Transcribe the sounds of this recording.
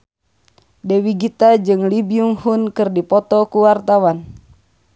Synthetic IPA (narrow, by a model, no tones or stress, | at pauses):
dɛwiɡit̪ad͡ʒɨŋlibiuŋhunkɨrdipɔt̪ɔkuwart̪awan